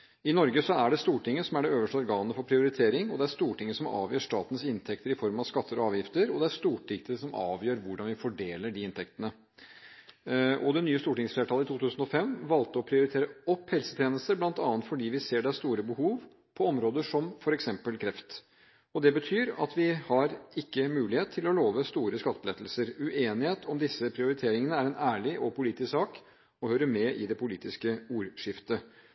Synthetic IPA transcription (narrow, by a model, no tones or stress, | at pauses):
ɪnɔɾɡəsɔæɖɛst̪uːʈɪŋːəsɔmæɖɛøːʋəʂʈəɔɾɡɑːnənəfɔɾpʰɾɪʊɾɪt̪ʰeːɾɪŋɔd̪ɛæɾst̪uːʈɪŋːəsɔmɑ̰ːʋjøːʂtɑːt̪n̩sɪnt̪ʰɛkt̪əɾɪfɔɾmɑʋskɑt̪ʰːəɾɔɑːʋjɪft̪əɾɔd̪ɛæɾst̪uːʈɪkt̪əsɔmɑ̰ːʋjøːɾʋʊɖɑnʋɪfɔɖeːləɖiɪnt̪ʰɛkt̪ənə | ʔɔd̪ɛnyːəst̪uːʈɪŋsfleːʈʰɑːləɪt̪ʰuːt̪ʰʉːsn̩ɔfɛmːʋɑlt̪əɔpʰɾɪʊɾɪt̪ʰeːɾəɔpːhɛlsə̥t̪ʰjeːnəst̪əɾblɑnt̪ɑːnt̪fɔɖiːʋɪseːɖæst̪uːɾəbəhuːʋ | pʰɔɔmɾoːd̪əʂɔmfɔɾɛksɛmpəlkʰɾɛft̪ | ɔd̪ɛbət̪ʰyːɾɑ̰t̪ʰʋɪhɑɾɪkːəmʉːlɪheːt̪ʰːɪlɔloːʋəst̪uːɾəskɑt̪ːəbəlɛt̪ːl̩səɾʉʔeːnɪheːt̪ʰɔmd̪ɪsəpʰɾɪʊɾɪt̪ʰeːɾɪŋənəæɾɛnæːɭɪʔɔpʊliːt̪ɪssɑːk | ɔhœʏɾəmɛʔɪd̪ɛpʰʊliːt̪ɪskəuːɾʂɪft̪ə